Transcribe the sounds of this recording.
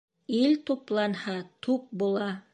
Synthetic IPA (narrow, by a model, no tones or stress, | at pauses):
ilt̪uplˠɑnhɑt̪ʰup̚bulˠɑ